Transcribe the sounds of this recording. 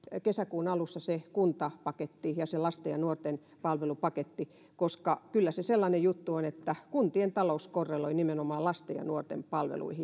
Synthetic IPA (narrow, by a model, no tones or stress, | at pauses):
kesækuːnɑlusːɑsekunt̪ɑpɑket̪ːijɑselɑst̪ejɑnuort̪en | pɑlʋelupɑket̪ːi | koskɑkylːæseselːɑnejjut̪ːuonet̪ːækunt̪ient̪ɑlouskorːeloinimenomɑːlɑst̪ejɑ̰nuort̪ḛmpɑlʋḛlṵihi